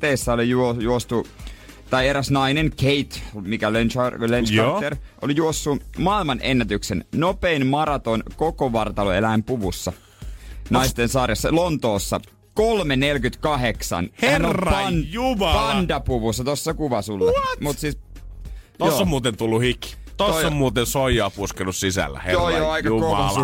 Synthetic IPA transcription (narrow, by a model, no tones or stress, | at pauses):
t̪eisːæolijuojuost̪u | t̪ɑieɾæsnɑinenkeit̪mikælenɑlenskɑerʔo̰lijuosːumɑilmɑnʔenːæt̪yksennopeinmɑɾɑt̪onkokoʋɑrt̪ɑloelæimpuʋusːɑ̰ | nɑist̪ensɑrjɑsːɑlont̪oːsːɑ̰ | kolmenelkyt̪kɑɦeksɑ̰nherɑnumpɑndɑpuʋusːɑt̪osːɑkuʋɑsulːɑmut̪siːs | osːomuːt̪ent̪ulːuhikːi̥ | t̪ooommuːt̪ensoijoɑpuskenussisæ̰lːæ̰heojjoɑikɑukol